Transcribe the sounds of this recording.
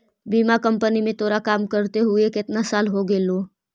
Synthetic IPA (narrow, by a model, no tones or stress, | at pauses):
biːmakə̃mpənimẽt̪ʰoːɾakaːmkəɾt̪eɦʊekɪt̪nasaːlɦoɡeːloː